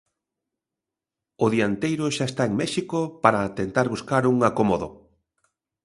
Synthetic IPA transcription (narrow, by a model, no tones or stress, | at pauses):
ʊðiant̪ejɾʊʃaest̪aeŋmɛʃikopaɾat̪ent̪aɾβuskaɾuŋakomoðʊ